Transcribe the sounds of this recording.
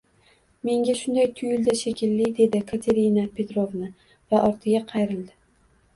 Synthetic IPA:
me̞ŋɡʲaʃʊnd̪ajt̪ʰʊjɪld̪aʃekʲʰɪlːɪd̪e̞d̪ɪkʰat̪ʰe̞ɾɪnapʰe̞t̪ɾovnɪ | vaʔɒɾt̪ʰɪɡʲaqʰɑjɾɪld̪ɪ

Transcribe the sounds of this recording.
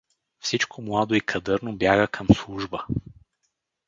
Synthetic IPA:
fsit͡ʃkʰomlˠad̪oikʰɐd̪ɤɾnobjaɣəkʰəmslˠuʒbə

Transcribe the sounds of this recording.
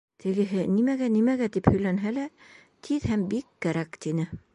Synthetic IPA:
t̪ʰɘ̆ɡɘ̆ɦɘnimæɡænimæɣæt̪iphɵ̆jlænɦælæ | t̪ʰiðhæmbikːæɾækt̪inɘ

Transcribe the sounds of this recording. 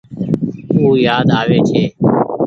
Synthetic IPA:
uːjaːd̪aːʋeːt͡ʃʰeː

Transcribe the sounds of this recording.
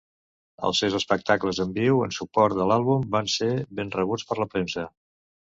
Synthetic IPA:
ə̰lˠsewzəspək̚t̪akləzəmbiwənsupɔɾt̪̚d̪əlalˠβumbanseβenrəβ̞ut͡spəɾləpɾensə

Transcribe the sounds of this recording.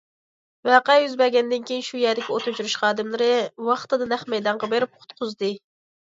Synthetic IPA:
væqɑjyzbɛɡʲɛnd̪ɪnkʲʰejinʃujæɾd̪ɪkʲiot̪ʰut͡ʃuɾuʃχɑːd̪ɨmlˠɨɾɨwɑχt̪ɨd̪ɨnæχmɛjd̪ɑɴʁɑbeɾɪp̚qʰʊ̥t̪qʰʊzd̪ɨ

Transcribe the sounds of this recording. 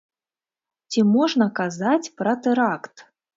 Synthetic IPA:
t͡sʲimɔʐnɐkazat͡sʲpɾɐt̪ɛɾakt̪

